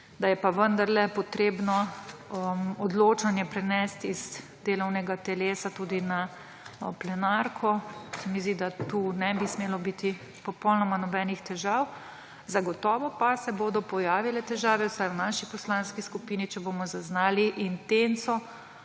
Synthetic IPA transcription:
d̪ajɛpaʋənd̪aɾlɛpɔt̪ɾeːbnɔ | mɔd̪loːt͡ʃanjɛpɾɛnɛst̪iz̥ | d̪eːlɔwnɛɡat̪ɛleːsat̪uːd̪ina | plɛnaɾkʰɔsɛmizd̪id̪at̪uːnɛbismeːlɔbit̪i | pɔpɔwnɔmanɔbɛːnixt̪ɛʒaw | zaɡɔt̪ɔːʋɔpasɛboːd̪ɔpɔjaːʋilɛt̪ɛʒaːʋɛwsajwnaʃipɔslanskiskupiːnit͡ʃɛbomɔzaznaːliʔint̪ent̪sɔ

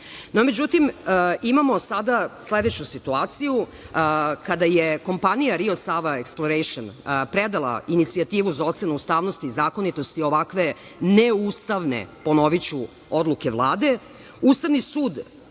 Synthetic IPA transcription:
nome̞d͡ʑut̪imimamo̞sad̪asle̞d̪e̞t͡ɕusit̪uaːt̪siju | kad̪ajeko̞mpanijaɾio̞saʋaeksplˠoɾejʃonpɾed̪alˠa̰init̪siat̪iːʋuzao̞t̪se̞nuust̪aːʋno̞st̪iːzaːko̞nit̪o̞st̪io̞ʋakʋe̞ | neust̪aʋnḛpo̞no̞ʋit͡ɕu | o̞d̪lˠuke̞ʋlˠaːd̪e̞ | ust̪aʋnisuːd̪

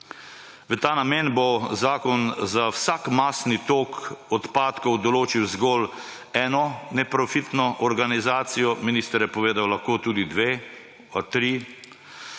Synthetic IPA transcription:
ʋət̪aːnamenbɔzaːkɔnzawsakmasnit̪oːkɔt̪paːt̪kɔwd̪ɔloːt͡ʃiwzɡɔːl | ɛːnɔnɛpɾɔfit̪nɔʔɔɾɡanizaːt̪sijɔminist̪əɾjɛpɔʋeːd̪awlaxkoːt̪uːd̪id̪ʋeː | t̪ɾi

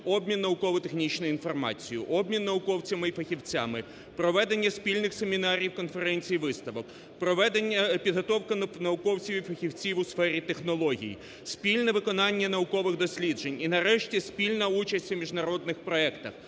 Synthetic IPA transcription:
ɔbmʲinːɐʊkɔʋʊt̪exnʲit͡ʃnʊjʊinfɔrmɑ̰t͡sʲijʊʔɔb̚mʲinːɐʊkɔwt͡sʲɐmɪifɐxʲiwt͡sʲa̰mɪ | pɾɔʋɛd̪e̞nʲːɐspʲilʲnɪxsemʲinɑɾʲiwkɔnfeɾɛnʲt͡sʲijiʋɪst̪ɐʋɔk | pɾɔʋɛd̪enʲːɐpʲid̪ɦɔt̪ɔwkɐnɐʊkɔwt͡sʲɐwʲifɐxʲiwt͡sʲiwʊsfɛɾʲit̪exnɔlˠɔɦʲḭjḭ | spʲilʲnɛʋɪkɔnɑnʲːɐnɐʊkɔʋɪɣd̪ɔsʲlʲidd͡ʒe̞nʲinɐɾɛʃtʲispʲilʲnɐut͡ʃɐsʲtʲʋmʲiʒnɐɾɔd̪nɪxpɾɔɛkt̪ɐx

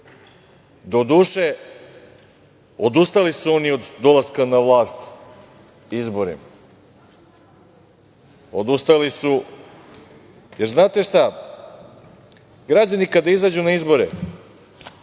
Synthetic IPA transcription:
d̪o̞d̪uːʃe | od̪ust̪alisuo̞nio̞d̪ːo̞lˠaskanaʋlˠaːst̪ | izbo̞ɾḭma | o̞d̪ust̪alisu | jeɾznaːt̪e̞ʃt̪a | ɡɾad͡ʑanikad̪aizad͡ʑunaizbo̞ɾḛ

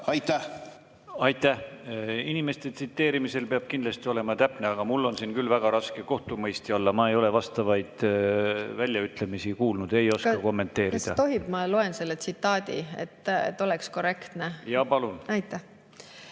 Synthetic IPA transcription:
ɑjt̪ːæ | ɑjt̪ːˑæhinime̞st̪e̞t̪sit̪ːe̞ːɾimise̞lpeɑb̥kind̪lɑst̪io̞le̞mɑt̪æpːneɑɡ̥ɑmulːo̞nsiːnkylːvæɡ̥ɑɾɑskeko̞ht̪umɤjst̪iɑlːɑmɑe̞jo̞le̞vɑst̪ɑvɑjd̪̥ | vælʲjɑyt̪ːˑle̞misikuːlnud̪̥e̞jo̞skɑkɑko̞mːe̞nt̪ːe̞ːɾid̪̥ɑt̪o̞ɦib̥mɑlo̞e̞nse̞lːet̪sit̪ːɑːd̪̥ʲḭḛt̪ːḛt̪ːˑo̞leksko̞re̞kt̪nejɑpɑlunɑjt̪ːˑæh

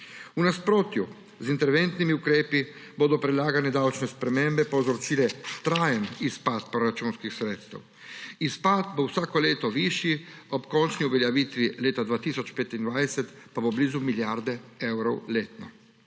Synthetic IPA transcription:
unaspɾoːt̪ju | zint̪ɛɾʋɛnt̪nimiukɾeːpiboːd̪ɔpɾɛlaːɡanɛd̪awt͡ʃnɛspɾɛmembɛpowzɾɔt͡ʃiːlɛt̪ɾaːjɛmispat̪pɾɔɾat͡ʃuːnskixsɾeːt̪st̪ɛ̰w | ispaːt̪bowsaːkɔleːt̪ɔʋiːʃjiɔpkɔnt͡ʃniuʋɛljaʋiːt̪ʋileːt̪ad̪ʋaːt̪iːsɔt͡ʃpeːt̪ind̪ʋaːjsɛt̪pabobliːzumiljaɾd̪ɛɛwɾɔwleːt̪nɔ

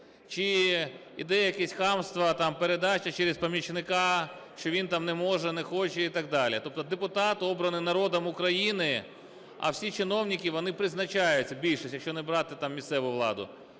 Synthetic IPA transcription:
t͡ʃɪ | id̪ɛjjɐkɛsʲxɑmst̪ʋɐt̪ɑmpeɾed̪ɑt͡ʃɐt͡ʃɛɾɪspɐmʲjit͡ʃnɪkɑ | ʃt͡ʃɔʋʲint̪ɑmnɛmɔʒɛnɛxɔt͡ʃɛit̪ɐɡ̚d̪ɑlʲit̪ɔp̚t̪ɔd̪epʊt̪ɑt̪ɔbɾɐnɪnɐɾɔd̪ɐmʊkɾɐjinɪ | ɐ̰wsʲit͡ʃɪnɔwnʲikʲiʋɔnɪpɾɪznɐt͡ʃɑjʊtʲːɐbʲilʲʃisʲjɐkʃt͡ʃɔnɛbɾɑt̪ɪt̪ɑmːʲist̪sɛʋʊʋlˠɑ̰d̪ʊ̰

